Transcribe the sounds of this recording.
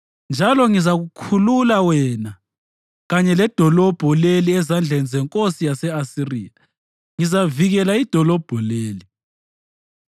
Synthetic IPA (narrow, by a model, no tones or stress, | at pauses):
nd͡ʒʱalɔŋizaɣukʰululawɛna | ɣaɲɛlɛd̥ʱɔlɔb̥ʱɔleliɛzand͡ɮʱenizɛŋkʼosijasɛasirḭːja | ŋizaviɣɛlaid̥ʱɔlɔb̥ʱɔleːli